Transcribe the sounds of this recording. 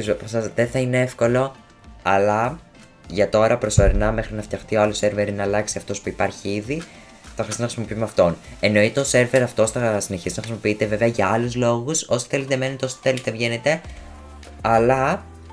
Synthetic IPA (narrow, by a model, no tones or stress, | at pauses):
izpɐsɐðe̞θɐine̞efko̞lo̞ | ɐlɐ | ʝɐt̪o̞ɾɐpɾo̞so̞ɾinɐme̞xɾinɐft̪çjɐxt̪ioɐluse̞ɾveɾinɐːlɐksiɐft̪o̞spuipɐɾçiiði | θɐxɾisit̪ːnɐxɾisimo̞piumeɐft̪o̞ne̞no̞it̪eose̞ɾve̞ɾɐft̪osθɐsineçist̪nɐxɾisimo̞piit̪eve̞ve̞ɐʝɐɐluzlo̞ɣuso̞si̥θe̞let̪eme̞net̪eoso̥θe̞let̪e̞vʝe̞ne̞t̪e̞ | ɐlɐ